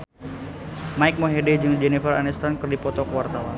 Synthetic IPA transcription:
maik̚moɦedɛd͡ʒɨŋd͡ʒɛnifəra̰nɛst̪ankɨrdipɔt̪ɔkəwart̪awan

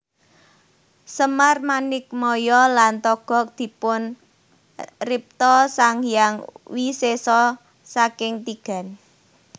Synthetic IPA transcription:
səmarmanɪk̚mɔjɔlant̪ɔɡ̥ɔ̤k̚d̪̥i̤pʊn | rɪp̚t̪ɔsaŋjaŋwisesɔ | sakɪŋt̪iɡ̥a̤n

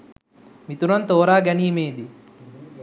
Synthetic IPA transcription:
mit̪uɾɐnt̪oːɾaːɡɐniːmeːd̪i

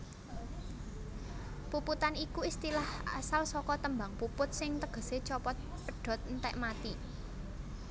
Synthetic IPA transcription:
puput̪anikuist̪ilahasalsɔkɔt̪əmbaŋpupʊt̪̚sɪŋt̪əɡ̥ə̤set͡ʃɔpɔt̪̚ | pəɖ̥ɔ̤t̪̚nt̪ɛʔmat̪i

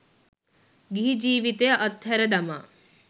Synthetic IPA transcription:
ɡiɦid͡ʒiːʋit̪ejɐʔɐt̪ːɐɾɐd̪ɐma̰

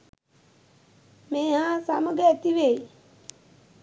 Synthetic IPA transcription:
mẽɦãsamuɡet̪iʋe

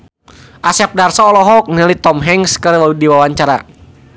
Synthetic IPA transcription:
ʔasɛp̚darsɔːlɔɦɔk̚nəlit̪ɔmɦɛŋskəɾwaudiwawaɲt͡ʃaɾa̰

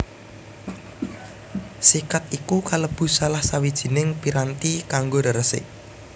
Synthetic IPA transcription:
sikat̪̚ikukaləb̥ṳsalahsawid̥ʒ̥i̤nɪŋpiɾant̪ikaŋɡoɾəɾəsɪ̰ʔ

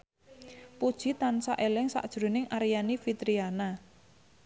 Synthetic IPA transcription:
pud̥ʒ̥i̤t̪ansa̰ʔelɪŋsa̰ʔd̥ʒ̥ɾṳnɪŋʔaɾijanifit̪ɾiana

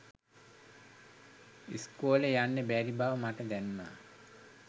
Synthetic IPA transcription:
iskoːlejanːebæɾibaʋəmaʈəd̪ænːa̰ː

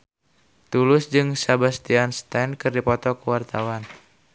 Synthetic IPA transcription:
t̪ulʊsd͡ʒɨŋsabast̪ianst̪ankɨrdipɔt̪ɔkəwart̪awan

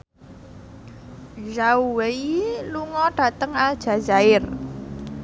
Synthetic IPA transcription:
jauwejiluŋɔɖ̥ä̤t̪əŋald̥ʒ̥ä̤zaɪr

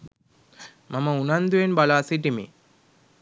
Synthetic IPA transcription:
maməunand̪ujenbalaːsiʈimḭ

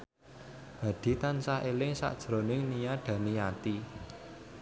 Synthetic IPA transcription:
b̥a̤ɖ̪̥i̤t̪ansahelɪŋsa̰ʔd̥ʒ̥ɾo̤nɪŋnijaɖ̥ä̤niat̪i

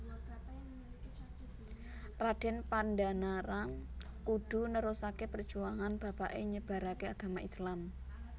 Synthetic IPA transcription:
raɖ̥ɛ̤npandanaɾankuɖ̥ṳnəɾosakepərd̥ʒ̥uaŋanb̥a̤paʔeɲəb̥a̤ɾakeaɡ̥a̤maislam

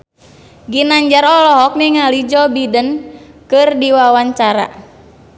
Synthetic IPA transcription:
ɡinaɲd͡ʒaɾɔlɔɦɔk̚mɛŋalid͡ʒɔbidənkɨrdiwawaɲt͡ʃaɾa̰

